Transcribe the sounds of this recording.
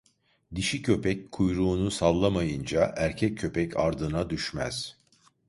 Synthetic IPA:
d̪iʃicʰø̞pɛckʰujɾuːnusalˠːamajɯnd͡ʒaʔæɾcʰɛcʰːø̞pɛcʰaɾd̪ɯnad̪yʃmæ̰z̥

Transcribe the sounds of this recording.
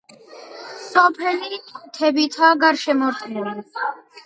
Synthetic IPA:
sɔpʰɛlit̪ʰɛbit̪ʰaɡaɾʃɛmɔɾt̪ʼʰili

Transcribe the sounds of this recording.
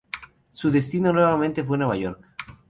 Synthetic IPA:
suðest̪inonweβamẽnt̪ef̬wenweβaʝoɾk

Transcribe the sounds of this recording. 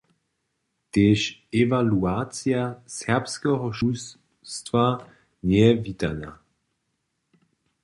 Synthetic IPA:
t̪eːʃɛvaluat͡sjasɛpskɛɦɔʃus | st̪va | nɛvit̪a̰na̰

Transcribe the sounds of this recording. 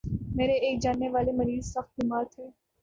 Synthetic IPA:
meːɾeeːk̚d͡ʒaːnːeʋaːlemɐɾiːzsɐxt̪̚ɡʊmaːɾt̪ʰeː

